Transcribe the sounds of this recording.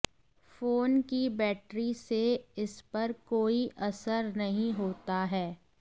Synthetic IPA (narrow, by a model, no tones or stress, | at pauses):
foːnkibɛːʈɾiseɪspɐɾkoːiʔɐsəɾnɐɦĩɦoːt̪aɦɛː